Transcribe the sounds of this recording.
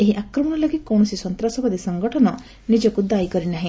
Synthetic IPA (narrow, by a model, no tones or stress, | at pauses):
eɦiʔakɾɔmɔɽ̃ɔlɔɡikɔwɳ̃ɔsisɔnt̪ɾasɔbɔd̪isɔŋɡɔʈʰɔnɔ | nid͡ʒɔkud̪ajkɔɾinaɦĩ